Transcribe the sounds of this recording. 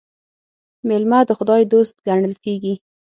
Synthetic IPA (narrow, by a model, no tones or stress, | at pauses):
mɪlmad̪əxʊd̪ɑjd̪ost̪̚ɡaɳəlkeɡi